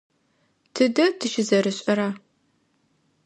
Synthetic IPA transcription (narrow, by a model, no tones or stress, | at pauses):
tʰɨdɐtʰɨʃɪzɐɾɨɕʼɐɾaː